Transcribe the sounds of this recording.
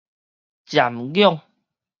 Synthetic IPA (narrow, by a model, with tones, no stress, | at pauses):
t͡ɕja˨mɡjɔ˥˦˨ŋ